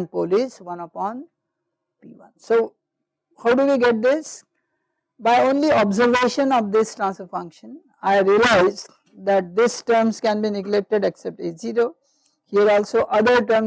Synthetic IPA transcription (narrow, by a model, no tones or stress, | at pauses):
ɳɖpolisʋʌ̃nəpɔ̃ːn | pḭːʋʌ̰̃nsoː | haʊɖuʋiːɡɛʈ̚d̪ɪs | baɪõːnliɔbzəɾʋeːʃə̃nɔʋd̪ɪsʈɾãːnsəfʌ̃ŋkʃə̃n | aɪɾiəlaɪz | d̪æʈ̚d̪ɪsʈəɾmzkɛ̃nbinɪɡlek̚ʈeɖeksɛp̚ʈed͡ʒiːɾoː | hiəɾɔːlsoʔʌd̪əɾʈəɾm